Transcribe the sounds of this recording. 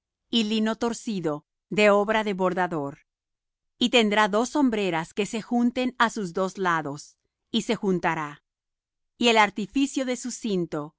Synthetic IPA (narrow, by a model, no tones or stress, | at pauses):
ilino̞t̪o̞ɾsiðo̞ | ðe̞oβɾaðe̞βo̞ɾðaðo̞ɾ | it̪e̞nd̪ɾaðo̞sːo̞mbɾe̞ɾaske̞se̞xunt̪e̞nasuzðo̞zlaðo̞s | ise̞xunt̪aɾa | ie̞laɾt̪ifisjo̞ðe̞susint̪o̞